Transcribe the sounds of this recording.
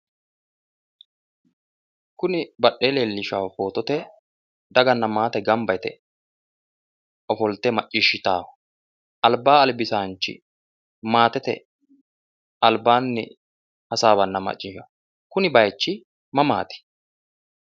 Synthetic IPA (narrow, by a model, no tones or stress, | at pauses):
kʊnɪbɐɗːeːleːlːɪʃɐwfo̞ːt̪ɔt̪ɛ | d̪ɐɡɐnːɐmaːt̪ɛɡɐmbɐjt̪ɛ̰ | ʔɔfɔlt̪ɛmɐt͡ʃʼːɪʃːɪt̪aːwɐ | ʔɐlbaːɐlbɪsaːnt͡ʃːɪ̰ | maːt̪ɛt̪ɛ̰ | ɐlbaːnːɛ̰ | hɐsaːβɐnːɐmɐ̰t͡ʃʼːɪʃɐ̰ | kʊnɪbɐjt͡ʃːɪ | mɐma̰ːt̪ɪ̥